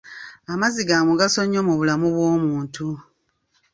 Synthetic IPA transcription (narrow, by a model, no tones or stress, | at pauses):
amaziɡaːmuɡaso̞ɲːomuβulamuβwo̞ːmuːntʰu